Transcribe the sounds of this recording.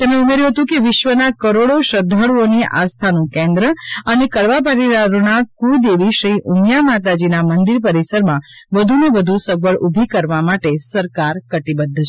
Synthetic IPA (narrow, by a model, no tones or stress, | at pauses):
t̪emɽeumeɾjũɦət̪ũkeʋɪʃʋənakəɾoɽoʃəd̪ʱːəɽoniʔa̰st̪ʰanũkẽnd̪ɾəənekəɭʋabaɾid̪aɾoɳakud̪eʋiʃɾiʔumjamat̪̬ad͡ʒinamənd̪iɾpəɾisəɾmãbəd̪ʱunebəd̪ʱusəɡ̚bəɭubʱikəɾʋamaʈesəɾkaɾkəʈibəd̪ʱːət͡ʃʰ